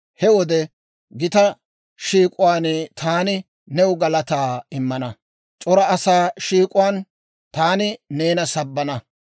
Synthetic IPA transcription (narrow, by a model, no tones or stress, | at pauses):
hɛwɔd̪ɛ | ɡɪt̪ɐ | ʃiːkʼʊwaːnt̪ʰaːnɪ | nɛʊɡɐlɐt̪aːɪmːɐnɐ | t͡ʃʼɔɾɐɐsaːʃiːkʼʊwaːn | t̪aːnɪneːnɐsɐbːɐnɐ